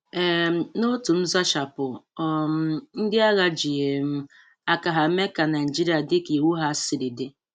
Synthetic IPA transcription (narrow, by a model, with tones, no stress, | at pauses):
ɛ˨m̩˦no˦tu˨m̩˦za˦ʃa˨pʊ˨ɔ˦m̩˦n̩˦dɪ˦a˦ɣa˦d͡ʒi˨e˨m̩˦ | a˦ka˨ɦa˨˦me˦ka˨na˨ɪ˨i˨d͡ʒi˦ɾi˨˦a˨dɪ˦ki˨wu˦ɦa˦sɪ˨dɪ˨de˦